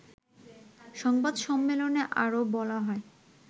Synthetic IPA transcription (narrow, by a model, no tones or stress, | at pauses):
ʃɔŋbad̪ʃɔmːeloneʔa̰ɾobɔlaɦɔe